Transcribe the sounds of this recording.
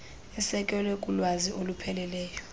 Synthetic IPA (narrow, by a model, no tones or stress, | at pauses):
ɛsɛkʼɛlwɛkʼulwaziʔolupʰɛlɛlɛːjɔ